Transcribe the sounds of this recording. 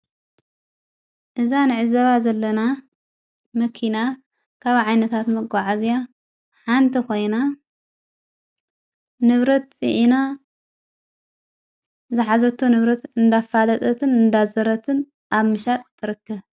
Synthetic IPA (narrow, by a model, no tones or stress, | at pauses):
ʔɨzanɨʕɨzɐβazɐlːɐna | mɐkʰina | kʰaβʕajnɐt̪ʰat̪mɐɡʷʼaʕazija | ħant̪ʰikʰo̞jna | nɨβɾɐt̪̚t͡sʼḭʔina | zɨħazɐt̪ʰːunɨβɾɐt̪ɨnd̪afalɐt̪ʼɐt̪ʰɨnɨnd̪azɐɾɐt̪ʰɨn | ʔaβmɨʃat̪ʼt̪ʰːɨɾɨkːɐβ